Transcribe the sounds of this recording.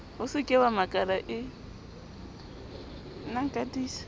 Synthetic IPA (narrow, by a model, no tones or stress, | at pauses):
hʊsɪkʼɛwamakʼaɾaʔɪ | naŋ̩kʼadiːsḁ